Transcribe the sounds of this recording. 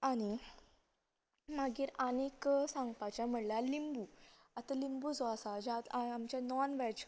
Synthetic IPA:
añi | maɡiːɾəneksãŋɡpat͡ɕam̤əɽlalimbu | at̪alimbud͡zoasad͡ʑat̪aamt͡ɕanɔnʋɛt͡ɕ

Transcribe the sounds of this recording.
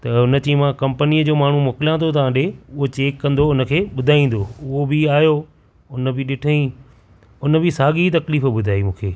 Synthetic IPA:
t̪ɐʊnə̆t̪imãːkɐ̃mpəniːəd͡ʑoːmaːɳ̤umoːkɪljãːt̪ʰot̪̬ɐãːɗeʊɦot͡ɕeːkːɐ̃nd̪oʊnə̆kʰeːɓʊd̪ʱaːĩːn̆d̪oːʊɦobɪaːjo | ʊnə̆bɪɗɪʈʰəĩ | ʊnəbɪsaːɠit̪̬ɐkliːfɓʊd̪ʱaːimũːkʰeː

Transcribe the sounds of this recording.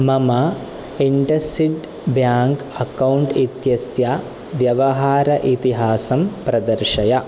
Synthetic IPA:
mɐmɐ | iɳɖɐsiɖ | bjaːŋk | ɐkɐwuɳʈit̪jɐsja | ʋjɐʋɐɦaːɾɐʔit̪iɦaːsɐmpɾɐd̪ɐɾʂɐjɐ

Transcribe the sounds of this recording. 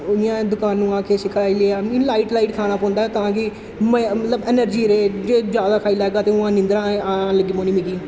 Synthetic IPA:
ɪjãːd̪ʊkaːnːũːãːkeːsɪkʰaːileːaːĩːlaːiːʈlaːiːʈkʰaːɽ̃aːpɔ̃ːnd̪aːɛːt̪ãːkɪ | məət̪ləbɛːnəɾd͡ʒiːɾeːd͡ʒeːd͡ʒjaːd̪aːkʰaːiːlɛːɡaːt̪eːʊãːnɪ̃nd̪ɾãːaləɡiːpõːniːmɪɡiː

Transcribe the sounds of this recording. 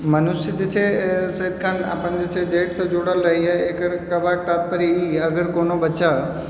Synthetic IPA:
mɐnʊsəd͡ʑet͡ɕʰesɐid̪kʰaːna̰ːpəñd͡ʑeːt͡ɕʰed͡ʑeːʈsãd͡ʑoːɽəlɾɐɦiaːeːkɾkɐbʱaːk̚t̪aːt̪̚pəɾiiːɐɡəɾkoːnobɐt͡ɕa

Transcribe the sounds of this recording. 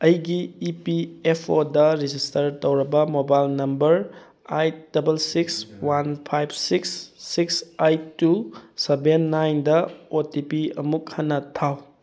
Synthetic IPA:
ɐjɡiːpiepʰodɐɾid͡ʒistɐɾtowɾɐbɐmobajlnɐmbɐɾ | ajd̥ɐbelsikswanpʰajb̚ʰsiksːiksajtusebenːajndɐotipiɐ̰mukhɐnːɐtʰaw

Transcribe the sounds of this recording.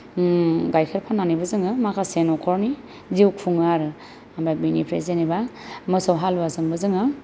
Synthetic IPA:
ɡajkʰeɾpʰanːanibɯzɯŋɯmakʰasenɔkʰɔɾni | ziwkʰuŋaɾɯ | amɾabinipʰɾezeniba | mɯsawɦalbazɯŋbɯzɯŋɯ

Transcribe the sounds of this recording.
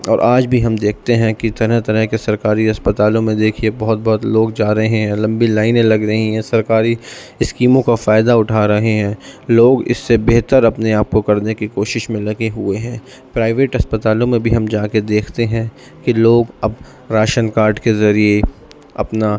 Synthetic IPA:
ɔːɾʔaːd͡ʒbʱiɦɐmd̪eːkʰt̪eɦɛ̃kit̪ɐɾəɦt̪ɐɾəɦkesɐɾkaːɾiɦɐspət̪aːlõmẽd̪eːkʰiebɐɦʊt̪̚bɔɦʊt̪loːɡd͡ʒaːɾɐɦẽɦɛ̃lɐ̃mbilaːɪnẽlɐɡɾɐɦiɦɛ̃sɐɾkaːɾi | ɪskiːmõkafaːɪd̪aʊʈʰaɾɐɦeɦɛ̃ːloːɡɪ̰sːebɛɦt̪əɾɐpneaːp̚kokɐɾnekikoːʃɪʃmẽlɐɡeɦʊeɦɛ̃ː | pɾaːɪʋeːʈɦɐspət̪aːlõmẽbʱiɦɐmd͡ʒaːked̪eːkʰt̪eɦɛ̃ | kiloːɡɐb | ɾaːʃənkaːɾɖkezɐɾie | ɐ̰pna

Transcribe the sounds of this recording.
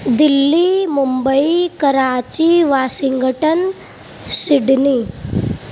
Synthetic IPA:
d̪ilːimumbəikɐɾaːt͡ɕiʋaːsiŋɡʱəʈən | siɖni

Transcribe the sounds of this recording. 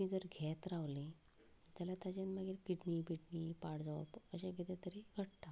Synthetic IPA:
id͡zəɾɡʱɛt̪ɾawli | t̪alat̪ad͡ʑenmaɡiɾkiʈniːbʱiʈnipaɽd͡zaʋ̰pəɕẽɡʱet̪ɛ̃t̪əɾiɡʱəɽt̪a

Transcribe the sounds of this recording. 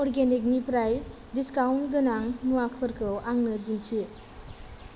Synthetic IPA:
ɔɾɡenik̬̚nipɾaj | diskawntɡɯnaŋnuwakʰɯɾkʰɯwʔaŋnɯd͡ʒintʰi

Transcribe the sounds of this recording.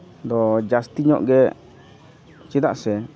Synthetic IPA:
d̪ɔd͡ʒast̪iɲɔ̰ʔɡɛ | t͡ʃid̪a̰ʔsɛ

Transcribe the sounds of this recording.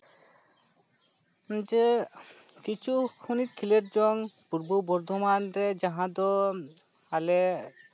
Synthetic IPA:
d͡ʒə | kit͡ʃʰukʰunit̪̚kʰileɾd͡ʒɔŋpuɾbubɔɾd̪ʱɔmanɾɛd͡ʒaɦãd̪ɔ | alɛ

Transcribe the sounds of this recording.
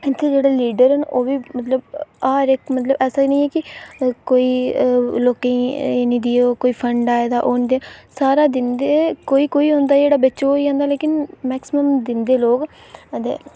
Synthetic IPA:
ɪnt̪ʰeːd͡ʒeːɽaːliːɖəɾɦənoːʋiːmət̪ləbaːɾɪkmət̪ləbɛːsaːnĩːɛːkɪkoːiːloːkẽĩnĩːd̪ioːkoːiːpʰəɳɖaːed̪aːʔoːnːd̪aːsaːɾaːd̪ɪnd̪eːkoːiːkoːiːɦõnd̪aːd͡ʒeːɽaːbət͡ʃːʃooːid͡ʒãːnd̪aːleːkɪnmɛːksɪməmd̪ɪnd̪eːloːɡ | əd̪ḛː

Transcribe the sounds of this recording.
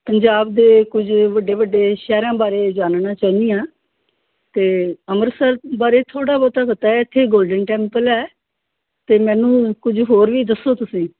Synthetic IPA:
pəɲd͡ʒaːbd̪eːkʊd͡ʒʋəɖːeːʋəɖːeːʃɛːɾãːbaːɾeːd͡ʒaːnnãːt͡ʃaːnijãː | t̪eːəməɾsəɾbaːɾeːt̪ʰoːɽaːbɔːt̪aːkət̪aːɛɪt̪ʰːeːɡoːlɖənʈɛ̃ːmpəlɛː | t̪eːmɛ̃ːnũːkʊd͡ʒɦoːɾʋiːd̪əsoːt̪ʊsĩː

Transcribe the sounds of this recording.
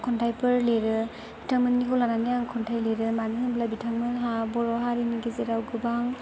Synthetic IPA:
kʰɔntʰajpʰɯɾleɾɯ | bitʰaŋmɯnnikɔlananijaŋkʰɔntʰajleɾɯmanɦɯnblabitʰaŋmɯnɦabɔɾɔɦaɾiniɡezeɾawɡɯbaŋ

